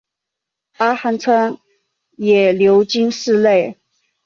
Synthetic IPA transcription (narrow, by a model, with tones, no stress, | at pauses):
a˥xa˧˥nt͡sʰwa˥n | jɛ˨˩ljo˧˥ʊt͡ɕi˥nʂɻ̩˥˧le˥˩ɪ